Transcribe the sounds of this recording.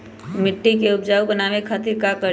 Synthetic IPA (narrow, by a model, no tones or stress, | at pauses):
mɪʈːikeʊpd͡ʒaːubənaːʋekʰaːt̪iɾkakə